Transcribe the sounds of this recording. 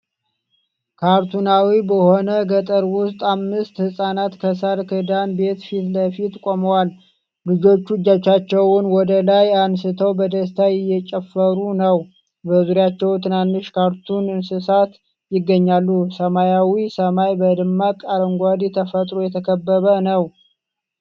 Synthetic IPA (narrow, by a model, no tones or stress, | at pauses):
kʰaɾt̪ʰunawibəho̞nəɡət̪ʼəɾwʊst̪ʼamːɨst̪hɨsʼanat̪kʰəsəɾkʰɨd̪anbe̞t̪fit̪ləfit̪kʷʼoməwal | lɨd͡ʒo̞t͡ʃːud͡ʒːat͡ʃːat͡ʃːɛwʊnwɔd̪əlajansɨt̪ʰəwbəd̪əst̪ʰajɪjːɛt͡ʃʼɛfːəɾunəw | bəzuɾjat͡ʃːɛwt̪ʰɨnanːɨʃkʰaɾt̪ʰunɨnsɨsat̪ | jɪɡːəɲːalːusəmajawisəmajbəd̪ɨmːakʼaɾəŋɡʷad̪it̪ʰəfət̪ʼɾojɛt̪ʰəkʰəbːəβənəw